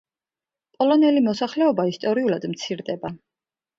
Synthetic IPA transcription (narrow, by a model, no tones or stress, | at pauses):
pʼɔlɔnɛlimɔsaχlɛɔbaist̪ʼɔɾiulad̪mt̪sʰiɾd̪ɛba